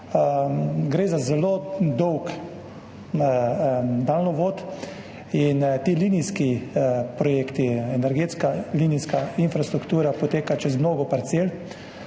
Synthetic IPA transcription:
ɡɾeːzazɛlod̪ɔwk | d̪alnɔʋoːt̪ | int̪iːliniskipɾɔjeːkt̪iɛnɛɾɡeːt̪skaliniskainfɾast̪ɾukt̪uːɾapɔt̪eːkat͡ʃɛzmnoːɡɔpaɾt̪seːl

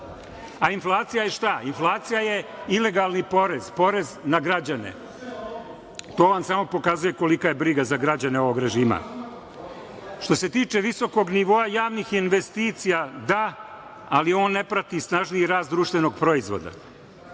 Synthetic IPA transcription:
ainflˠaːt̪sijajeʃt̪ainflˠaːt̪sijaje̞ | ile̞ɡalnipo̞ɾez̥po̞ɾe̞znaɡɾad͡ʑane̞̰ | t̪o̞ːonsamo̞po̞kazuje̞ko̞likaje̞bɾiɡazaɡɾad͡ʑaneo̞ʋo̞ɡɾe̞ʒiːma̰ | ʃt̪o̞se̞t̪iːt͡ʃe̞ʋiso̞ko̞ɡniʋo̞ajaːʋnixinʋe̞st̪iːt̪sijad̪aː | lio̞ːnːe̞pɾat̪isnaʒnijiɾaːst̪d̪ɾuːʃt̪ʋeno̞ɡ̚pɾo̞izʋo̞̰d̪a̰

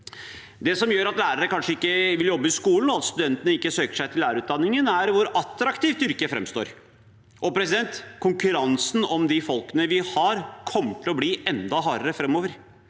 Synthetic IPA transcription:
d̪ɛsɔmjøːɾɑt̪læːɾəɾəkʰɑnʂəɪkːəʋɪljɔbːəɪskuːln̩ɔɑt̪st̪ʉd̪ɛnt̪ənəɪkːəsøːkə̥ʂæɪt̪ʰɪlːæːɾəʉːt̪d̪ɑnːɪŋənæɾʋʊɾɑt̪ːɾɑkt̪iːft̪ʏɾkəfɾɛ̰mst̪o̰ːɾ | ʔɔpʰɾɛsɪd̪ɛnt̪kʰʊŋkʉɾɑnsn̩ɔmd̪ɪfɔlkənəʋɪhɑɾkʰɔmːət̪ʰːɪlɔbliːʔɛnd̪ɑɦɑːɾəɾəfɾɛmːoːʋəɾ

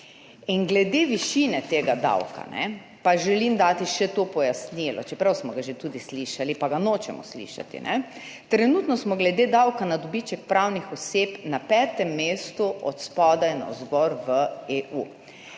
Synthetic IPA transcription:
inɡlɛd̪eʋiʃinɛt̪eːɡad̪a̰wka̰nɛ̰ | paʒɛlimd̪aːt̪iʃɛt̪oːpɔjasnilɔ̰t͡ʃɛpɾawsmɔɡaʒet̪ud̪isliːʃalipaɡanot͡ʃɛmɔ̰slḭːʃa̰t̪ḭnʔɛ̰ | t̪ɾɛnuːt̪nɔsmɔɡlɛd̪eːd̪awkanad̪ɔbit͡ʃɛk̚pɾawnixɔseːpnapɛːt̪ɛmːeːst̪uʔɔ̰t̪spɔːd̪ainɔ̰zɡɔɾʋəeːʔu

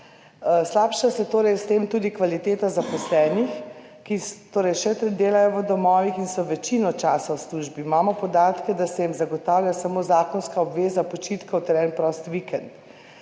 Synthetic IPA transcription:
slaːpʃasɛt̪oːɾɛjst̪eːmt̪uːd̪ikʋalit̪eːt̪azapɔslɛːnix | kit̪oːɾɛjʃɛt̪ɾɛd̪eːlajɔʋəd̪ɔmɔːʋixinsɔʋɛt͡ʃinɔt͡ʃaːsawsluːʒbimaːmɔpɔd̪aːt̪kɛd̪asɛjimzaɡɔt̪aːwlʲjasamoːzaːkɔnskaɔbʋeːzapɔt͡ʃiːt̪kawt̪ɛɾɛnpɾɔst̪ʋikɛnt̪

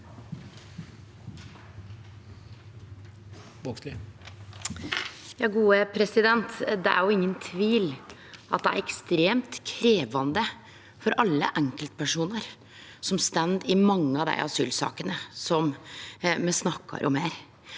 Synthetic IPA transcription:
bokslɪ | jɑːɡuːəpʰɾɛsɪd̪ɛnt̪d̪ɛʔæ̰ɾjʊɪŋːənt̪ʰʋiːl | ʔɑt̪̚d̪ɛæ̰ɾɛkst̪ɾeːmt̪kʰɾeːʋɑnd̪ə | fɔɾʔɑlːə̰ʔæŋkəlt̪pʰæʂuːnəɾ | sɔmst̪ænd̪ɪmɑŋːəɑʋd̪æ̰ɪʔɑsy̰ːlsɑ̰ːkənəsɔm | mɛsnɑkːɑ̰ɾʔɔmeːɾ

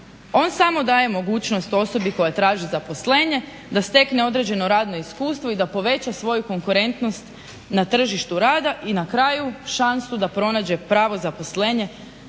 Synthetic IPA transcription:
o̞ːnsamo̞d̪aːje̞mo̞ɡuːt͡ɕno̞st̪o̞so̞biko̞jat̪ɾaːʒizapo̞sle̞ːɲe̞ | d̪ast̪e̞kne̞o̞d̪ɾe̞d͡ʑe̞no̞ɾaːd̪no̞iskuːst̪ʋo̞id̪apo̞ʋe̞t͡ɕasʋo̞juko̞ŋkuɾe̞nt̪no̞st̪ | nat̪r̩ʒiʃt̪uɾaːd̪aʔinakɾaːjuʃansud̪apɾo̞naːd͡ʑe̞pɾaːʋo̞zapo̞sleːɲe̞

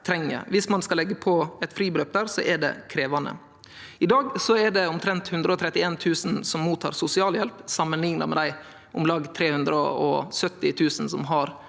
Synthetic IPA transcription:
t̪ʰɾɛŋːə̰ɾʋɪsmɑnskɑlɛɡːəpʰɔɛt̪fɾiːbɾøːp̚d̪æːɾsɔʔɛɖɛ̰kʰɾeːʋɑnə̰ | ɪd̪ɑːɡsɔɛɖɛʊmt̪ʰɾɛnt̪hʉnd̪ɾəɔt̪ʰɾɛt̪ːɪeːnt̪ʰʉːsənsɔmːuːt̪ʰːɑ̰ːɾsʊsɪɑːljɛlpsɑmːənlɪŋnɑ̰mɛ̰d̪æɪ | ʊmlɑːɡt̪ʰɾeːhʉnd̪ɾə̰ɔ̰sœt̪ːɪt̪ʰʉːsənsɔmɦɑɾ

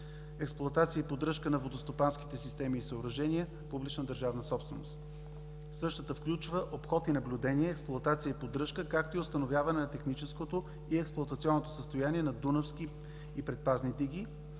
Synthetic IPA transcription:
ɛksplˠʊɐt̪at̪sijəipod̪ɾɤʃkənɐvod̪ost̪opansk̟i̥t̪ɛsist̪ɛmiːsəoɾɐʒɛniə | publʲit͡ʃnəd̪əɾʒavnəsɔpst̪vɛno̰st̪ | sɤʃt̪ət̪əfklʲut͡ʃvəʔopxɔt̪inɐblʲʊd̪ɛniɛːksplˠʊɐt̪at̪sijəipod̪ɾɤʃkəkak̚t̪oiʊst̪ɐnovʲjavɐnɛnɐt̪ɛxnit͡ʃɛskot̪o | iɛksplˠʊoɐt̪ɐt̪siɔnːot̪o̥səst̪ojaniɛnɐd̪unəfsk̟iː | pɾɛt̪̚paznid̪iɡ̟i

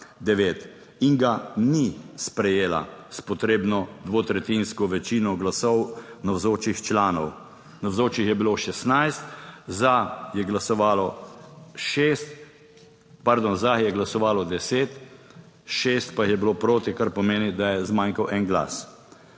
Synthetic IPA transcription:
d̪ɛʋeːt̪ | iŋɡanispɾɛjeːla̰spɔt̪ɾeːbnɔd̪ʋoːt̪ɾɛt̪inskɔʋɛt͡ʃiːnɔɡlasɔwnawzoːt͡ʃixt͡ʃlaːnɔw | nawzoːt͡ʃixjɛbiloʃɛst̪najst̪zajɛɡlasɔʋaːlɔ | ʃest̪ | paɾd̪onzajɛɡlasɔʋaːlɔd̪ɛseːt̪ | ʃest̪paixjɛbiloːpɾoːt̪ikaɾpɔmeːnid̪ajɛzmaŋkawʔɛŋɡla̰ːs

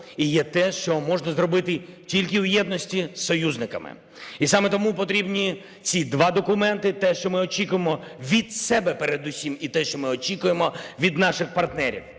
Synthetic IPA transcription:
ijɛt̪ɛʃt͡ʃɔmɔʒnɐzɾɔbɪt̪ɪtʲilʲkɪwjɛd̪nɔsʲtʲisɔjuznɪkɐ̰mɪ̰ | isɑmɛt̪ɔmupɔt̪ɾʲibnʲi | t͡sʲid̪ʋɑd̪ɔkʊmɛnt̪ɪt̪ɛʃt͡ʃɔmɪɔt͡ʃʲikʊjemɔʋʲid̪sɛbɛpɛɾed̪ʊsʲimit̪ɛʃt͡ʃɔmɪɔt͡ʃikʊjemɔʋʲid̪nɑʃɪxpɐrt̪nɛɾʲḭw

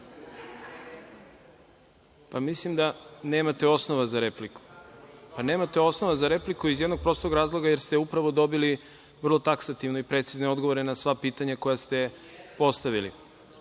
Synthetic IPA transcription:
pamislimd̪ane̞ːmat̪e̞o̞snoʋazaɾe̞pliku̥pane̞ːmat̪eo̞sno̞ʋazaɾe̞plikuizje̞d̪noɡ̚pɾo̞st̪o̞ɡɾaːzlˠo̞ɡaje̞ɾst̪eupɾaʋo̞d̪o̞bili | ʋr̩lˠo̞t̪aksat̪iʋno̞ipɾe̞t̪sizneo̞d̪ɡoʋo̞ɾenasʋapiːt̪aɲako̞jast̪e̞ | po̞st̪aʋilḭ

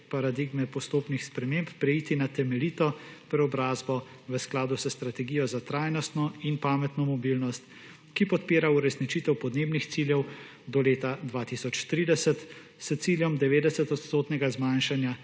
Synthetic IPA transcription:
paɾad̪iɡmɛpɔst̪oːpnixspɾɛmemppɾɛjiːt̪inat̪ɛmɛliːt̪ɔpɾɛɔbɾaːzbɔ | ʋəsklaːd̪usəst̪ɾat̪ɛɡijɔzat̪ɾaːjnɔst̪nɔinpaːmɛt̪nɔmɔbilnɔst̪ | kipɔt̪peːɾauɾɛsnit͡ʃit̪ɛwpɔd̪neːbnixt̪siːljɛw | d̪ɔleːt̪ad̪ʋaːt̪isɔt͡ʃt̪ɾiːd̪ɛsət̪ | sət̪siljɔmd̪ɛʋeːd̪ɛsɛt̪ɔt̪st̪oːt̪nɛɡazmanʃanja

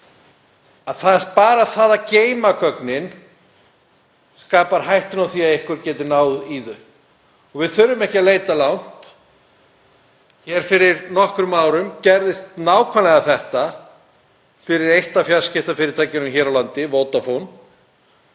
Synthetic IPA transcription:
aðθaðɛs̚paːɾaðθaːðaceːjmakœknɪn | skaːpaɾ̥ɦajht̪ʏnawθiːaðejhkʏɾcɛːt̪ɪnaːwðiːðʏ | ɔɣvɪðθʏɾːʏmɛhcɪalejt̪alawn̥t̪ | çɛːɾ̥fɪɾɪɾnɔhkɾʏmaːwɾʏmcɛɾðɪst̪naːwkʰvanlɛɣaθɛht̪a | fɪɾɪɾejht̪afjaɾscɪht̪afɪːɾɪɾt̪ʰajcɪnʏmçɛːɾawlant̪ɪvoːwt̪afon

